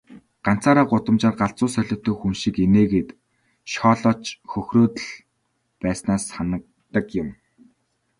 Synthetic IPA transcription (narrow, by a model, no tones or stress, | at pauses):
ɢ̥an̥t͡saːɾaːɢʊt̪ə̆mt͡ɕaːrɢaɬt͡sʊːsœɮʲɪ̆t̪ːɵːxumʃikeneːɣeːt̪ | ʃɔːɮɔːt͡ɕxɵxroːt̪ə̆ɮ | pæːsnaːsanə̆k̚t̪ə̆kjʊm